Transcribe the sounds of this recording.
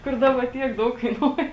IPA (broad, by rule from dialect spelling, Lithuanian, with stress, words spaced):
kʊr ˈdɑːbɐ ˈtʲiɛk ˈdɐʊk kɐɪˈnuɔjɛ